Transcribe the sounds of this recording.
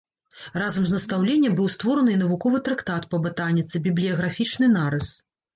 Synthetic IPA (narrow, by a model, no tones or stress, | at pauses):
razɐmznɐst̪awlʲenʲːɐbɨwst̪vɔɾɐnɨnɐvukɔvɨt̪ɾɐkt̪at̪pɐbɨt̪anʲːit̪sɨbʲiblʲijɐɣɾafʲit͡ʂnɨnaɾɨs